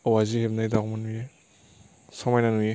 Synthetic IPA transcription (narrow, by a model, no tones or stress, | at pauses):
awazihep̚najdamanuje | sɔmajnanuje